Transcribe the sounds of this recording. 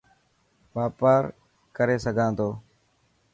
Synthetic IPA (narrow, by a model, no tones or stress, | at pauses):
ʋaːpaːɾ | kəɾeːsəɡʱãːnd̪oː